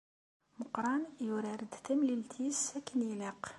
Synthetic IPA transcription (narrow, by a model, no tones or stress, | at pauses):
məqɾˤɑnjuɾæɾəd̪θæmlilt̪ʰisækːənjiləq